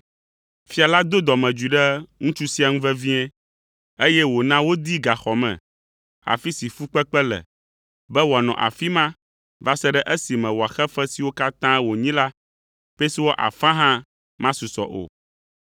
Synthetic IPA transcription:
fi˦a˨la˦d̪o˦d̪ɔ˨mɛ̃˨d͡ʒu˨i˨ɖɛ˦ŋũ˦t͡ʃu˦si˦a˨ŋũ˦vɛ˦vĩ˦ɛ̃˦ | e˦jɛ˦wo˨nã˦wo˦d̪i˦ɡa˨xɔ˨mɛ̰̃˨ | a̰˨fi˦si˨fu˦k͡pɛ˦k͡pɛ˦lɛ̰˨ | bɛ˦wɔ˨a˨nɔ̰̃˨ʔa̰˨fi˦mã˦ | va˦sɛ˦ɖɛ˦ʔe˦si˨mɛ̃˨wɔ˨a˨xɛ˦fɛ˦si˨wo˦ka˦t̪ã˦wo˨ɲĩ˦la˦ | pɛ˦si˦wo˦ʔa̰˨fã˦ɦã˦ | mã˦su˨sɔ̰˨ʔo̰˨

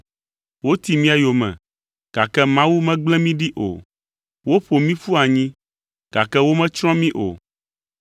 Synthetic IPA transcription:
wo˦t̪i˨mĩ˦a˨jo˨mɛ̰̃˨ | ɡ̥a˨kɛ˦mã˦wu˦mɛ̃˦ɡ͡blɛ̃˦mĩ˦ɖi˦ʔo̰˨ | wo˦ɸo˨mĩ˦fu˦a˨ɲĩ˦ | ɡ̥a̰˨kɛ˦wo˦mɛ̃˦t͡ʃɾ̃ɔ̃˦mĩ˦ʔo̰˨

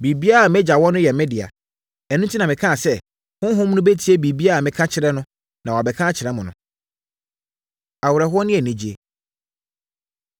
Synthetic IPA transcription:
bi˨bi˦a˦a˨mɛ̃˦d͡ʑa˨wɔ̃˦nʊ̃˦jɛ˨mɪ̃˦dɪ˨a̰˨ | ɛ˨nũ˦tʰi˦nã˨mɪ̃˨kʰã˦˨sɛ˦˨ | hʊ̃˦ɦʊ̃˦m˦nʊ̃˦be˦tʰi˦e˦bi˨bi˦a˦a˨mɪ̃˦kʰã˦t͡ɕʰɪ˦ɾɛ˦nʊ̃˦ | nã˨wbɛ˨kʰã˦˨t͡ɕʰɪ˨ɾɛ˦mʊ̃˨nʊ̰̃˨˦ | a˨wʊ˨ɾɛ˨ɦʊ˦ɔ˦nɪ̃˦ɛ˨nĩ˦d͡ʑi˦e˦

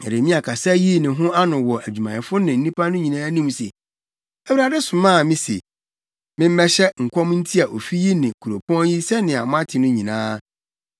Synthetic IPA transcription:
ɛ˨ɾe˨mĩ˦a˨kʰa˨sa˦ji˦nɪ̃˨ɦʊ̃˦a˦nʊ̃˨wɔ˨ʔæ˨d͡ʑᶣu˨mã˨ɪ˨fʊ˦nɪ̃˨n̩˦ĩ˦pʰa˦nʊ̃˦ɲĩ˨nãː˦nĩ˦msḛ˨ | æ˦wu˦ɾa˨dɛ˦sʊ̃˨mãː˦˨mɪ̃˦sḛ˨ | mɪ̃˦m̩˦mɛ˦ɕɛ˦ŋ̩˨kʷʰɔ̃˦m˦n̩˦tʰi˦a˨ʔo˨fi˦ji˦nɪ̃˨kʰu˨ɾo˨pʰɔ̃˦nji˦sɛ˦nɪ̃˨a˨mʊ̃˦ã˦tʰɪ˨nʊ̃˦ɲĩ˨nãː˦

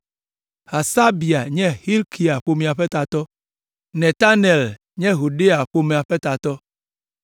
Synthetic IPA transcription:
ha˨sa˦bi˨a˨ɲɛ̃˦hi˦lkʰi˨a˨ɸo˦mĩ˨a˨ɸɛ˦t̪a˨t̪ɔ˦ | nɛ˨t̪a˦nɛ˨l | ɲɛ̃˦ɦu˨ɖe˦a˨ɸo˦mẽ˨a˨ɸɛ˦t̪a˨t̪ɔ˦

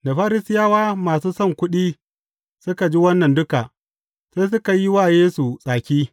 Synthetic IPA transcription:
da˨ɸaː˦ɾɪ˦sɪ˦jaː˦waː˦maː˨suː˦sɔ˦ŋkʷʊ˦ɗiː˦ | sʊ˦ka˨d͡ʒi˦wɐ˦nːɐ˨ndʊ˦ka˨ʔ | se˦s̬ʊ˦ka˨ji˦waː˦˨jeː˦su˨sʼaː˨kʲiː˦

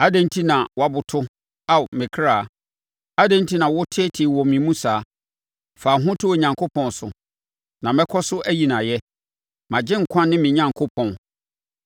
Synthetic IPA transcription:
a˦dẽ˦n˦tʰi˦nã˨wa˨bʊ˨tʰʊ˦ | a˦˨mɪ̃˨kʰɾaː˨ | a˦dɛ̃˦n˦tʰi˦nã˨wʊ˦tʰɪ˦ɛ˦tʰɪ˨wɔ˨mĩ˨mũ˦saː˨˦ | faː˨ɦʊ̃˦tʰʊ˦e˨ɲã˨ŋkʰo˦pʰɔ̃˨nsʊ̰˨ | nã˨mɛ̃˦kʰɔ˦sʊ˦ʔæ˦ji˨nã˨jɛ˦ | mã˨d͡ʑɪ̃˦ŋ̩˨kʷʰã˦nːɪ̃˦mɪ̃˨ɲã˨ŋkʰo˦pʰɔ̃˨n

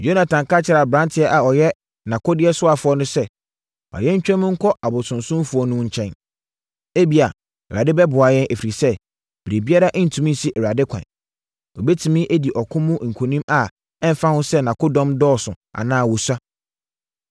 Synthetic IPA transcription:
jo˦nã˨tʰã˨ŋ˨ka˦t͡ɕʰɪ˦ɾa˨bɾã˦ntʰɪ˦ɛ˦ʔa˨ɔ˨jɛ˦ | nã˨kʰo˦dɪ˦ɛ˦sʊ˦a˨fʊ˨˦ɔ˦nʊ̃˦sɛ˦ | a̰˨jɛ̃˦ɲ̩˦t͡ɕᶣɛ̃˦mʊ̃˦ŋ̩˦kʰɔ˦a˨bʊ˨sʊ̃˨nsʊ̃˦fʊ˨˦ɔ˦nʊ̃˦ɲ̩˨t͡ɕʰɛ̃˦n | e˦bi˨a˨ | ɛ˨ɾa˨dɪ˦bɛ˦bʊ˨a˨jɛ̃˦ne˨fi˨ɾi˨sɛ˦ | b̥ɾe˨bi˦a˦ɾa˦ʔn̩˨tʰũ˨mĩ˦n̩˨si˦ʔɛ˨ɾa˨dɪ˦kʰã̰˨n | ɔ˨be˦tʰĩ˨mĩ˦ʔe˦di˨ʔɔ˨kʰʊ̃˦mũ˦ŋ̩˨kʷʰo˨nĩ˦ma˨ | ɛ˦m̩˨˦fa˦hʊ̃˦sɛ˦nã˨ko˦dɔ̃˦mdɔː˦˨sʊ̃˨ | a̰˨nãː˦˨wɔ˨sa˦

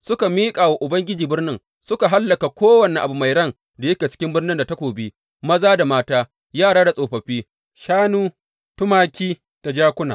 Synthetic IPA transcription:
sʊ˦ka˨miː˦kʼaː˨wa˨ʔʊ˨bɐ˦ŋɡʲɪ˦d͡ʒiː˨bɪ˦rnɪ˦ŋ | sʊ˦ka˨ɦa˦lːɐ˨ka˨kʷoː˦wɐ˨ni˨ʔa˨bu˨ma˨jɽɐ˦˨ŋ | da˨jɐ˦kʲa˨t͡ʃɪ̥˦kʲɪ˦mbɪ˦rnɪ˦nda˨ta˦kʷoː˨biː˦ | mɐ˦zaː˦da˨maː˦taː˦ | jaː˦˨ɽaː˦da˨sʼoː˨ɸɐ˨ɸiː˦ | ʃaː˦nuː˦ | tʊ˦maː˦kʲiː˦ | d̥a˨d͡ʒaː˦kʷʊ˦na̰ː˨

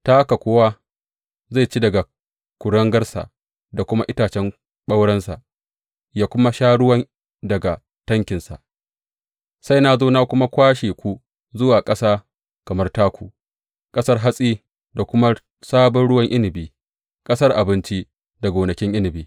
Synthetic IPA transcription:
taː˦ka˨kʷoː˦wa˦ | za˦˨jt͡ʃi˦dɐ˨ɡa˨ | kʷʊ˨ɽɐ˦ŋɡɐ˦rsa̰˨ʔ | da˨kʷʊ˦ma˦ʔɪ˦taː˨t͡ʃɛ˦ŋ | ɓa˦wɽɐ˦nsa̰˨ʔ | jaː˦kʷʊ˦ma˦ʃaː˦ɽʊ˦wɐ˦ŋ | dɐ˨ɡa˨ | tɐ˦ŋkʲɪ˨nsa̰˨ʔ | sa˦jna˦zoː˦na˦kʷʊ˦ma˦kʷaː˦ʃeː˨kʷu˦ | zʊ˦waː˨kʼɐ˦saː˦ | kɐ˨mɐ˦rtaː˦kʷuː˨ | kʼɐ˦sɐ˦rɦa˦sʼiː˦ | da˨kʷʊ˦ma˦ | saː˦bɔ˦nɽʊ˦wɐ˦ŋʔɪ˦nɪ˨biː˦ | kʼɐ˦sɐ˦rʔa˨bɪ˦nt͡ʃi˦ | da˨ɡʷoː˨nɐ˨kʲɪ˦ŋʔɪ˦nɪ˨biː˦

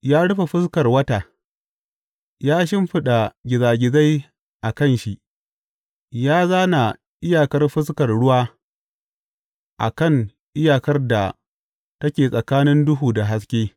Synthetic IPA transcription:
jaː˦ɽʊ˦ɸa˨ɸɪ˦skɐ˨rwɐ˦taː˨ | jaː˦ʃ̬ɪ˦mɸɪ˦ɗa˨ɡʲɪ˨zaː˨ɡʲɪ˨za˦j | ʔa˨kɐ˦˨nʃi˨ʔ | jaː˦zaː˦na˨ | ʔɪ˦jaː˨kɐ˦rɸɪ˦skɐ˨rɽʊ˦waː˦ | ʔa̰˨kɐ˦˨ŋ | ʔɪ˦jaː˨kɐ˦rda˨ | tɐ˦kʲeː˨sʼɐ˨kaː˦nɪ˦ndʊ˦ɦuː˨da˨ɦa˦skʲeː˦

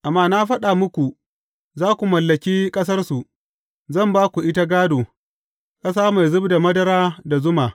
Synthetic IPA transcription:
ʔa˨mːaː˦na˦ɸɐ˦ɗa˨mʊ˦kʷu˨ | zaː˦kʷu˨mɐ˨lːɐ˨kʲiː˦kʼɐ˦s̬ɐ˦rsu˨ | zɐ˦˨mbaː˦kʷu˨ʔɪ˦ta˦ɡaː˦doː˨ | kʼɐ˦s̬aː˦ma˨jzʊ˦bda˨mɐ˦dɐ˦ɾaː˦da˨zʊ˦maː˨

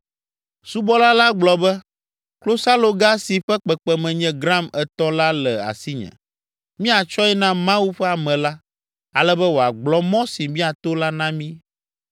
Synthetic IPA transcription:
su˦bɔ˦la˦la˦ɡ͡blɔ˨bɛ˦ | klo˦sa˦lo˨ɡa˦si˨ɸɛ˦k͡pɛ˨k͡pɛ˨mɛ̃˨ɲɛ̃˨ɡɾã˦˨mɛ˨t̪ɔ̃˦la˦lɛ˨a̰˨si˦ɲɛ̰̃˨ | mĩ˦a˨t͡ʃɔ˦ɛ˦nã˦mã˦wu˦ɸɛ˦a˨mɛ̃˨la˦ | a˨lɛ˦bɛ˦wo˨a˨ɡ͡blɔ˦mɔ̃˦si˨mĩ˦a˨t̪o˦la˦nã˦mĩ˦

